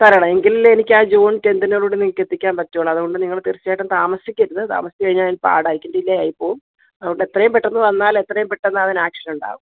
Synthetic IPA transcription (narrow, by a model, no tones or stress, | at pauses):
t̪ɐɾɐɳɐme̞ŋɡilːenikʲːaːd͡ʑoːɳke̞nd̪inoːɭuːɽeniŋːɐɭkːe̞t̪ːikʲːaːnpɐtːɐjoːɭɐɐðuɣo̞ɳɖɨniŋːɐɭt̪irit͡ɕːjaːjʈːɐmt̪aːmɐsjikʲːɐɾunːɨt̪a̰ːmɐsi̥kːɐɻiɲːalðinpa̰ːɽaːjikʲːindɐilːɐjaːjipːoː | ɐðuɣo̞ɳɖe̞t̪ːrɐjumpeʈːenːɨʋɐnːaːle̞t̪ːrɐjumpeʈːenːɨɐðinaːkʂɐnuɳɖa̰ːɣum